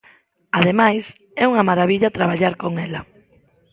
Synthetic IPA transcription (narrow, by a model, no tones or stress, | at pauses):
aðemajs | ɛuŋɐmaɾaβiʎat̪ɾaβ̞aʎaɾkoŋɛlɐ